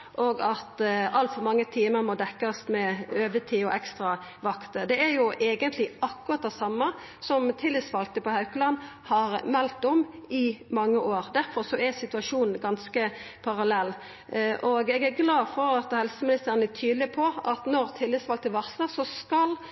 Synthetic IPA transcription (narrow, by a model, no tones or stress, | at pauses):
ʔɔɡɑt̪ɑlt̪fɔɾmɑŋːət̪ʰiːməɾmɔd̪ɛkːɑst̪mɛøːʋət̪ʰiːɔ̰ʔɛkst̪ʁɑʋɑkt̪əd̪ɛæɾjʊʔeːɡənt̪ʰlɪɑkːʉʁɑt̪̚d̪ɛsɑmːə | sɔmt̪ʰɪlːɪsʋɑl̚t̪əpɔhɑʉkəlɑn | hɑɾmɛlt̪ːɔmɪmɑŋːəʔoːɾd̪æɾfɔɾsɔæɾsɪt̪ʉɑʂuːnn̩ɡɑnskə | pʰɑɾɑlɛlː | ʔɔɡɛɡæɾɡlɑːfɔɾɑt̪hɛlsəmɪnɪst̪əɾənæt̪ʰyːd̪lɪpʰɔɑt̪nɔʁt̪ʰɪlːɪsʋɑlt̪əʋɑʁsəsɔskɑl